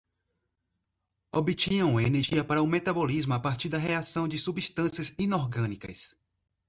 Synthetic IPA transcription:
obit͡ʃĩɲɐ̃w̃ɐeneɾʒiɐpaɾɐʊmet̪abolizmʊapaɾt͡ʃiɾd̪ɐɦeasɐ̃w̃d͡ʒɪsubist̪ɐ̃siɐzĩnoɾɡɐ̃nikɐ̰s

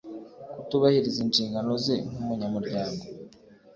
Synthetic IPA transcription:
kutuβahiɾizinʃiːŋɡano̞zeŋ̥umuɲamuɾɟaːŋɡo̞

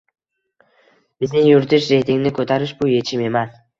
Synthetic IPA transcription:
bɪznɪŋjʊɾt̪ʰɪʃɾe̞t̪ʰɪŋʲnɪkʰɵt̪ʰaɾɪʃbʊje̞t͡ʃʰɪme̞man

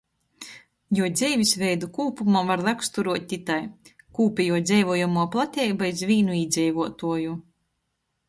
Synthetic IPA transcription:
juɔd̪zʲɛjvʲisvʲɛjd̪ukuːpumavaɾlakst̪uɾuɔt̪̚ʲt̪ːʲit̪aj | kuːpʲɛjuɔt̪d̪zʲɛjvuɔjumuɔplˠat̪ʲɛjbaj̪zvʲiːnuiːd̪zʲɛjvuɔt̪uɔju

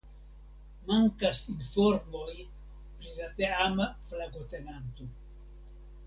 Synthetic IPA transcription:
maŋkasinfoɾmoj | pɾilat̪eamaflaɡot̪enant̪o

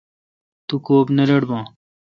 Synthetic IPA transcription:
t̪ukoːbnɐɾɐɽbãː

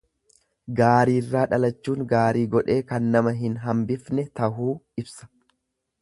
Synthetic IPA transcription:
ɡaːɾiːrːaːᶑɐlɐt͡ʃːuːŋɡaːɾiːɡɔᶑe̞ːkɐnːɐmɐɦɪnɦɐmbɪfnɛt̪ɐɦuːɪbsɐ̥

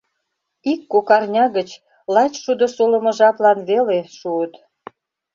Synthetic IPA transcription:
ikːokɑrnʲɑɣət͡ɕ | lɑt͡ɕʃud̪ŏʃolə̆mɤ̆ʒɑplɑnβeleʃuət̪

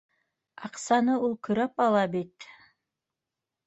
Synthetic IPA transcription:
ɑqsɑnəulˠkʰɵ̆ɾæpɑlˠɑbit̪

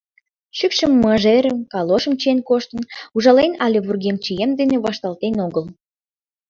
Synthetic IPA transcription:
ʃykʃəmːəʒeɾəmkɑloʃəmt͡ɕenkoʃt̪ənuʒɑlenɑlʲeβurɣemt͡ɕijemd̪eneβɑʃt̪ɑlt̪enoɣəl

